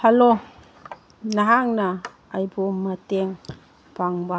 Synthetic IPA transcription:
hɐlo | nɐɦaŋnɐː | jbomːɐteŋ | paŋba

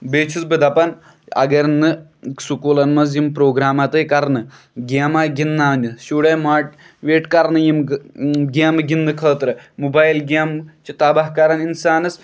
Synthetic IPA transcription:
beːt͡ʃʰusbɨd̪ɐpɐn | ɐ̰ɡɐɾnːɨsukuːlɐnmɐz̬jimpɾoːɡɾaːmat̪ɨjkɐɾnɨ | ɡaːmaːɡinːaːnɨʃuːɽemaːʈ̚ | ʋeːʈkɐɾnɨjim | ɡeːmɨɡinːɨkʰɐːt̪ɾɨmubaːjlɡaːmt͡ʃit̪abɐɦkaːɾaninsaːnɐs

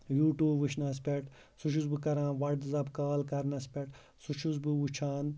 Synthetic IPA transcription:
juːʈuːʋɨʃnɐs̬pʲeʈ | sut͡ʃʰuzbɨkɐɾãːnʋɐɽd̪ɨzɐbkaːlkɐɾnɐspʲeʈ | sut͡ʃʰuzbɨut͡ʃʰaːn

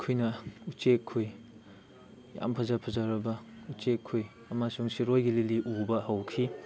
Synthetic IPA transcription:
kʰujnɐut͡ʃekʰːoj | ja̰mpʰɐzapʰɐzaɾɐbɐut͡ʃekʰːoj | ɐmasuŋsiɾojɡililiʔubɐhɐwkʰi

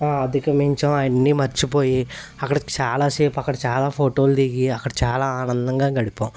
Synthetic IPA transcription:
aːɐd̪ʱikɐmiɲt͡ʃɐːenːimɐɾt͡ʃipo̞ːji | ɐkːɐɽɐt͡ʃaːlaːseːpɐkːɐɽɐt͡ʃaːlaːpʰoːʈo̞ːld̪iɡiɐkːɐɽɐt͡ʃaːlaːaːnɐnd̪ɐŋɡaːɡɐɽipõː

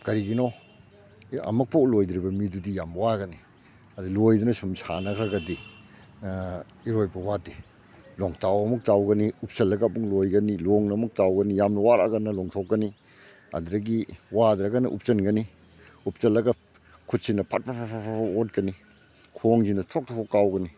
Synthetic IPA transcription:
kɐɾiɡino | ɐ̰mɐk̚pʰɐwlojdɾibɐmidudijamwaɾɡɐni | ɐdilojdunɐsumsa̰nɐkʰɾɐɡɐdi | iɾojbɐwadi | lɔŋtawɐmɐk̚tawɡɐniup̚sɐlːɐɡap̚ːuŋlojɡɐniloŋnɐmɐk̚tawɡɐnijamnɐwaɾa̰ɡɐnɐlɔŋtʰokːɐni | ɐ̰dɾɐɡiwadɾɐɡɐnɐ̰ʔṵp̚sɐnɡɐni | up̚sɐlːɐɡɐ | kʰut̚sinɐpʰat̚pʰapʰapʰapʰapaot̚kɐni | kʰoŋzinɐtʰok̚tʰɔpʰkːawɡɐni

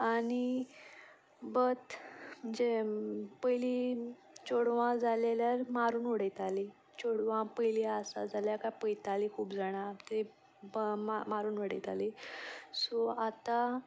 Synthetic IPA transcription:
añi | bət̪m̤əɳd͡zepəjli | t͡ɕoɽʋãd͡zaleljaɾmaɾuːnoɽəjt̪ali | t͡ɕoɽʋãpəjliasa̰d͡zaljakapəjt̪alikʰuːpd͡zaɽ̃at̪əɾi | mamaɾuːnʋəɽə̰jt̪a̰lisɔat̪a

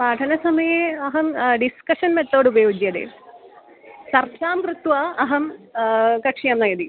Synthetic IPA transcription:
paːd̪ʰʱɐnɐsɐmɐjɐɐɦɐmɖiskɐʂɐnmet̪ːoːɽubɐjoːd͡ʑjɐðḛ | sɐrkʰaːmkrɨt̪ʋaːɐɦɐm | kɐkʂijɐːmnɐjɐd̪i

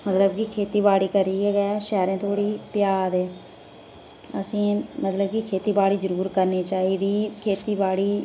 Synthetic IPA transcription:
mət̪ləbkikʰeːt̪iːbaːɽiːkəɾiːɛːɡɛːʃɛːɾẽːt̪ʰoːɽiːpɪjaːd̪eː | əsĩːmət̪ləbkikʰeːt̪iːbaːɽiːzəɾuːɾkəɾniːt͡ʃaːiːd̪iːkʰeːt̪iːbaːɽiː

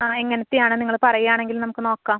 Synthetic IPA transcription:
aeŋːɐnɐt̪ːijaːɳɨniŋːɐɭpɐrɐjijaːɳe̞ŋɡilnɐmukːɨno̞ːkːaːm

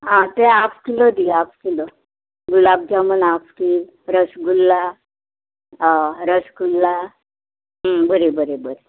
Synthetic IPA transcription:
ãt̪eapkiləd̪iafkilo | ɡulab̚d͡ʑamənafkil | ɾəsɡulːa | ɾəsɡulːa | ɦbəɾebəɾebəɾe

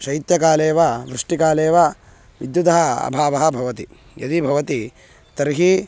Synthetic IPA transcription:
ʃɐit̪jɐkaːleːʋɐʋɾuʂʈikaːleːʋɐ | ʋid̪jud̪ɐɦɐɐ̰bʱaːʋɐɦɐ̆bʱɐʋɐt̪i | jɐd̪ibʱɐʋɐt̪i | t̪ɐɾɦi

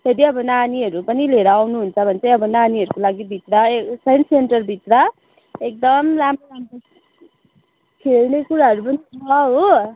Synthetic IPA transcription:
tʰeɾiʌbʌnaniɦʌɾupʌnileɾawnuɦunt͡sʰʌbʱʌnt͡sʌjʌbʌnaniɦʌɾukolaɡibʱit̪rʌesʌjnseɳʈʌrbʱit̪rʌ | ek̚d̪ʌmlamolamko | kʰelnekuɾaɦʌɾupʌnit͡sʰʌɦo

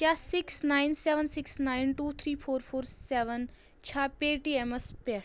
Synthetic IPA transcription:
kjasɪksnaːɪnseʋənsɪksnaɪnʈuːt̪ʰɾiːpʰoːɾfʰoːɾseʋən | t͡ʃʰaːpeːʈiːeməspe

